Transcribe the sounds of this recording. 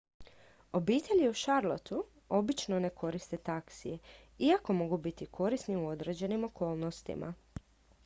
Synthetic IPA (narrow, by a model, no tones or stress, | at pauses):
o̞biːt̪e̞ʎiuʃaɾlˠot̪u | o̞bit͡ʃnone̞kʰo̞ɾist̪e̞t̪aksie | iako̞mo̞ɡubit̪ikʰo̞ɾisniuo̞d̪ɾe̞ːd͡ʑe̞nimo̞ko̞ːlˠnost̪ḭma̰